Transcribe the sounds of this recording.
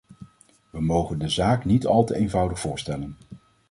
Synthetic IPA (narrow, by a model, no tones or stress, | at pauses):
ʋəmowχəndəzaːknitɑlˠtəejnvʌwdəχfʊːɹstɛlən